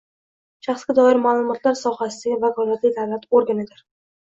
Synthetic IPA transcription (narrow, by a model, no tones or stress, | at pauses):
ʃaχsɡʲad̪ɒɪɾmaːlˠʊmɒt̪ʰlaɾsɒhasɪɪvakʰɒlat̪lɪd̪avlat̪oɾɡanɪd̪ɪɾ